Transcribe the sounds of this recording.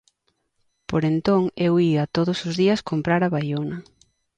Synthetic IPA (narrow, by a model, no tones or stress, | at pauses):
poɾent̪oŋewiɐt̪oðʊsʊzðiɐskompɾaɾɐβajonɐ